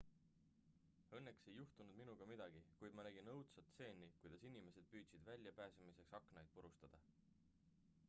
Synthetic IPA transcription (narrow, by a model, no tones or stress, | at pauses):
ɤ̞nːe̞kse̞jːuht̪unud̪̥minuɡ̥ɑmid̪̥ɑɡ̥ikujd̪̥mɑnæɡ̥inɤwt̪sɑt̪se̞ːnʲːikujd̪̥ɑsinime̞se̞d̪̥̚pyːt̪sid̪vælʲjɑpæːsɑmise̞ksɑkːˑnɑjd̪̥̚puɾust̪ɑd̪̥ɑ